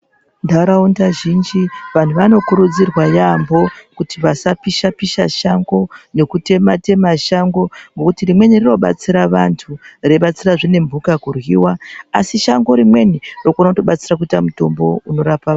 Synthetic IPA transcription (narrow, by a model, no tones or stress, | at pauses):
ndaɾaundaʒind͡ʒiʋan̤uʋano̞kuɾud͡zirwajambo̞kutiʋasapiʃapiʃaʃaŋɡo̞ne̞kute̞mate̞maʃaŋɡo̞ŋɡo̞kutirimwe̞nirino̞ɓa̰t͡siɾaʋantʰureɓat͡siraʐine̞mbʱukakurwiwaːsiʃaŋɡo̞ɾimwe̞niro̞kuonauto̞ɓat͡sirak̬uitamuto̞mbo̞uno̞ɾapa